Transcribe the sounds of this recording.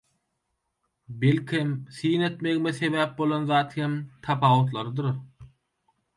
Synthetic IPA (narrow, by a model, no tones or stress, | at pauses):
belkʰemθijne̞t̪me̞ɣimeθe̞βæːp̚bo̞lˠɑnðɑːt̪hemt̪ʰɑpʰɑːwot̪̬lˠɑɾɯd̪ɯɾ